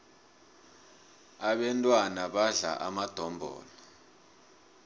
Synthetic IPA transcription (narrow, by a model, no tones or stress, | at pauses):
aɓɛntʼwanaɓaɮa̰ʔamad̥ʱɔmbʱɔ̰ːlɔ